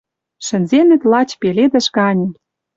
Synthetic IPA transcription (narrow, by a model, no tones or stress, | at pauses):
ʃɘ̆nzenɘ̆t̪lɑt͡ɕpeled̪ɘ̆ʃɣɑnʲɤ̆